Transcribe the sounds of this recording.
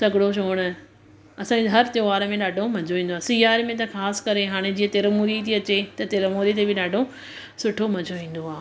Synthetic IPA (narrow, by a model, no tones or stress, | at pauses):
sɐɡɪɽoʃ̬oːɽ̃ə | ɐsãːɲd͡ʑeɦɐɾt̪joːʋaːɾəmẽɗaːɖʱomɐd͡ʑʱoʋĩːn̆d̪oaːsɪjaːɾmẽt̪ɐxaːskɐɾeɦaːɽ̃ed͡ʑiːɐ̃t̪eːɾəmoːɾit̪ʰiɐt͡ɕet̪ɐt̪eːɾəmoːɾit̪̬ebɪɗaːɖʱo | sʊʈʰomɐd͡ʑʱoʋĩːn̆d̪oɦaː